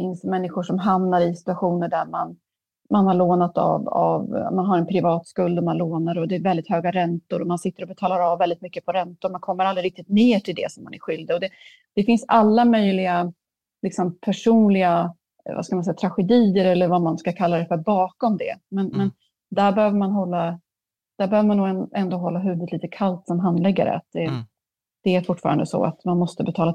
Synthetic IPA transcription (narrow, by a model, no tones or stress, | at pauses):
fɪnsmɛnːɪɧʊʂɔmɦamnaɾɪsɪ̥t̪ɵaɧuːnəɖæɾma̰n | manhaɾɭoːnat̪a̰va̰vmanɦaɾɛnpʰɾɪvɑːt̪skɵld̪ɔmanloːnaɾɔd̪ɛːɾvɛld̪ɪt̪høːɡaɾɛnt̪ʊɾɔmansɪt̪ːəɾɔbɛt̪ʰɑːlaɾavːɛld̪ɪt̪mʏkːəpʰɔɾɛnt̪ʊɾmankʰɔmːəɾald̪ɾɪɾɪk̚t̪ɪt̪̚neːʈʰɪld̪ɛ̰sɔmːa̰næ̰ɾɧʏld̪ɔd̪ɛ | d̪̥ɛfɪnsalːamœjlɪɡa | lɪksɔmpʰæʂuːnlɪɡa | va̰skamansɛjːat̪ʰɾaɧɛd̪iːəɾɛlːəɾvamanskakʰalːaɾd̪ɛfœɾbɑːkɔmd̪ɛ̰mɛnmɛn | d̪æɾbɛhøːvəɾmanɦɔlːa | d̪̥æɾbɛhøːvəɾmanːuːɡɛɛnd̪oːɦɔlːaɦʉ̟ːvɵd̪liːt̪əkʰalt̪sɔmɦand̪lɛɡːa̰ɾə̰a̰t̪̚d̪ɛ | d̪̥ɛæɾfʊʈːfɑ̰ɾand̪əsɔ̰a̰t̪manmɔst̪əbɛt̪ʰɑːla